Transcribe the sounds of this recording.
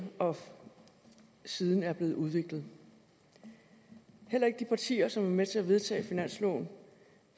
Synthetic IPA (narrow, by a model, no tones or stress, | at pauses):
ɒ̽ | siːð̞ˠn̩æɐb̥le̝ːð̩ˠuðˠʋe̝ɡ̥lð̩ˠ | hel̰ɐe̝ɡ̥əd̥ipʰɑ̈t͡sʰḭːɐsɒ̽mæɐmet͡sʰe̝æʋe̝ð̞ˠt͡sʰɛ̰ːfinæn̰slɔ̰ːn